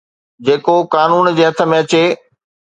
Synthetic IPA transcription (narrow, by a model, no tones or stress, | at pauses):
d͡ʑeːkokaːnuːnd͡ʑeːɦɐt̪ʰə̆mẽɐt͡ɕeː